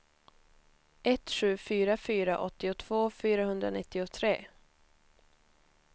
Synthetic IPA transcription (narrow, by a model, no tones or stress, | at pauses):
ɛt̪ːɧʉ̟ːfyːɾafyːɾaʔɔt̪ːɪʊt̪ʰv̥oːfyːɾaɦɵnd̪ɾa̰nɪt̪ːɪʊt̪ʰɾeː